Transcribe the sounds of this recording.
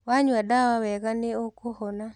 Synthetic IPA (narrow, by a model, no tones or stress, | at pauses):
waɲwadawawɛɡaneokohɔna